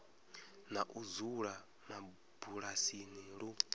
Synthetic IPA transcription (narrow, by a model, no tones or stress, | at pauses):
naʔuzuɺa | na | b̥uɺasiniɺu